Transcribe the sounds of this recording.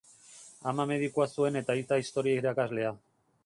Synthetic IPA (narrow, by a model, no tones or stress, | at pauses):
amame̞ð̞ikuasue̞ne̞t̪ait͡s̪aist̪o̞ɾiaiɾakazle̞a